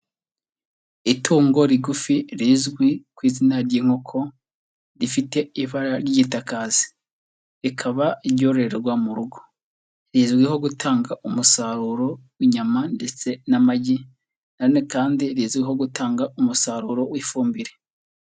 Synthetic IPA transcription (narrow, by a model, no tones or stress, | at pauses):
itʰuːŋɡo̞ɾiɡufiɾiːzɡwikwiːzinaɾɟiŋ̥hokʰo̞ | ɾifite̞iβaɾaɾjiɟitakazi̥ | ɾikʰaβaiβɟo̞ːɾeɾeɾɡwamuɾuɡo̞̥ | ɾiːzɡwiho̞ɡutʰaːŋɡaʔumusaɾuɾo̞wiɲamande̞t͡se̞namaɟi | nanekaːndiɾizɡwiɦo̞ɡutaːŋɡaumusaɾuɾo̞wifuːmbiɾe